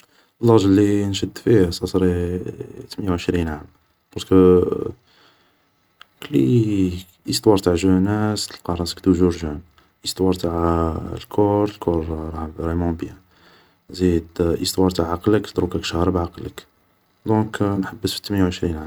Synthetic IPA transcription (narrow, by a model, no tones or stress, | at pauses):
lːɑɣʒəlːinʃəd̪fisɑsɾi | t̪mənjawʕəʃɾinʕam | qɑtkə | kəlːi | ʔəst̪wɑɾˤt̪aʕʒənæsəlqɑɾˤɑnsə̥kt̪uʒuɾʒæn | ʔəst̪wɑɾˤt̪aʕlkʰɔɾˤəlkʰɔɾˤɾemɑ̃bjæ | zid̪ʔəst̪wɑɾˤt̪aʕːaqlək̪d̪ɾukækʃhɾˤəbʕaqlək | d̪ɔ̃knħabːəsfi̥t̪məjawʕəʃɾinʕam